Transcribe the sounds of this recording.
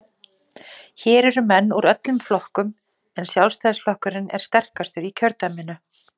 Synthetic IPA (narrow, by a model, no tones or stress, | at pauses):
çɛːɾɛɾʏmɛnːuɾœt̪lʏmflɔhkʏm | ɛnsjawlst̪aːðsflɔhkʏɾɪnɛ̰ɾ̥st̪ɛr̥kast̪ʏɾicʰœɾt̪amɪnːʏ